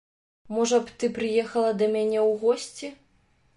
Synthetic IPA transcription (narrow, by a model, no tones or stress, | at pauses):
mɔʐɐpt̪ɨpɾɨjɛxɐlˠɐd̪ɐmʲanʲɛwɣɔsʲt͡sʲi